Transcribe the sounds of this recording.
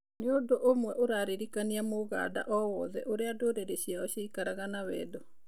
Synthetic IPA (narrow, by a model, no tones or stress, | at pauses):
neodoʔomwɛʔoɾaːɾeɾikaniamoɣa̰ːda̰ʔɔwɔðɛʔoɾeadoɾeɾeɕiaɔɕiikaɾaɣanawɛ̰ːdɔ